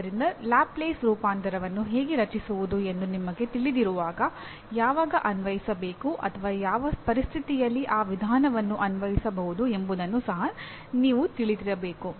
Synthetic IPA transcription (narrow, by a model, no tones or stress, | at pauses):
ɐɾind̪ɐlaːpleːsɾuːpaːnt̪ɐɾɐʋɐnːuɦe̞ːɡeɾɐt͡ʃisuʋud̪ue̞nd̪unimɐɡe̞t̪iɭid̪iɾuʋaːɡɐ | jaːʋaːɡɐʔɐnʋɐjisɐbe̞ːkuʔɐ̰t̪ʰɐʋaːjaːʋɐpɐɾist̪ʰit̪ijɐlːiʔaːʋid̪ʱaːnɐʋɐnːuʔɐnʋɐjisɐbɐɦud̪ue̞mbud̪ɐnːusɐɦɐ | niːʋut̪iɭid̪iɾɐbe̞ːku